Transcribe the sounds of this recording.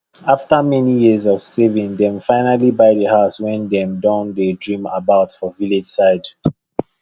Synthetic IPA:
aftəmɛnijizɔv̥sevĩŋdɛ̃mfaɪnalibaɪdəhaʊswɛ̃ndɛ̃mdãʊ̃ndedɹĩma̰baʊtfɔviled͡ʒ̥saɪd

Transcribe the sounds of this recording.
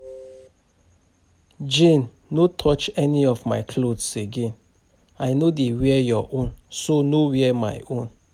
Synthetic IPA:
d͡ʒẽnː | otʰɔt͡ʃɛniɔvmaɪkʰlodseɡẽn | aɪnodewɛjɔʔõnsonowɛɛma̰ɪõn

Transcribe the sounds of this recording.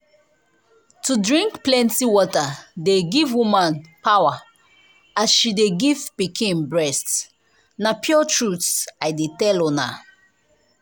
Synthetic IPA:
tudɹĩŋkplɛ̃ntiwɔtadeɡivwũmãnpawa | asʃideɡivbikʰĩmbɹɛst | napʰjɔtʰɹutajdetɛlɔ̃na̰

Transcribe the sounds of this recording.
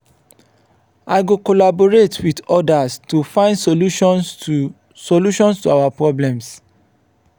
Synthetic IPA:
aɪɡokolaboɹetʰwidɔdastufãɪ̃ndsoluʃɔ̃n | soluʃɔ̃nstuawapɹɔblɛ̃ms

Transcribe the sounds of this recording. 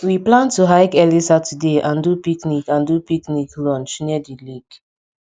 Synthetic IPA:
wiplãntuɦaɪkɛlisatʰudeʔãndupiknikãndupikniklɔ̃nt͡ʃniədiliɡ̥

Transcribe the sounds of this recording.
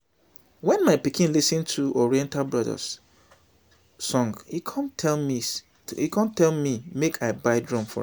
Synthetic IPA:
wɛ̃nmaɪpikĩnlisɨ̃ntʰuɔɹiɛ̃ntalˠbɹaðə̰s | ɔ̃ŋɡhikʰãntʰɛlmi | ikãntɛlmimekʰaɪbaɪdɹɔ̃mfɔ̰

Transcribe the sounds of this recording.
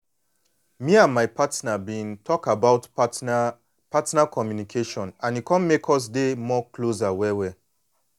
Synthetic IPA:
miãnmaɪpʰatnabĩntʰɔkabaʊt | patnakʰɔmjunikʰeʃɔ̃nãnikɔ̃nmekʰɔs̬demɔklozawɛwɛ

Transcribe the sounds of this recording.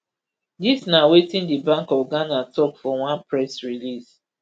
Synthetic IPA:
disnawetĩndibãŋkɔɡãnatɔkfɔwãnpɹɛsɹilis

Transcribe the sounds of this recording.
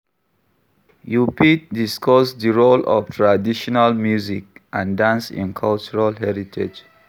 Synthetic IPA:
jupit̚diskɔsdiɹolʔɔ̰ftʰɹadiʃɔnalmjuzik̚ʔãndãnsḭ̃nkʰalt͡ʃuɹalɦɛɹitʰḛd͡ʒ

